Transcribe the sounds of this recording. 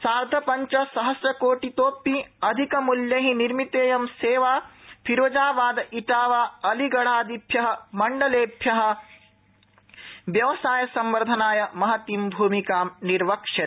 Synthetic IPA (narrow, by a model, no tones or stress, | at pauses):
saːɾd̪ʱɐpɐɲt͡ʃɐsɐɦɐsɾɐkoːʈit̪oːpiɐd̪ʱikɐmuljɐɦiniɾmit̪eːjɐmseːʋaːpʰiɾʋɐd͡ʒaːʋaːd̪ɐʔiʈaːʋaːɐliɡɐɽaːd̪ʱibʱjɐɦɐ̆mɐɳɖɐleːbʱjɐɦɐ̆ | ʋjɐʋɐsaːjɐsɐmʋɐɾd̪ʱɐnaːjɐmɐɦɐt̪imbʱuːmikaːmniɾʋɐkʂɐ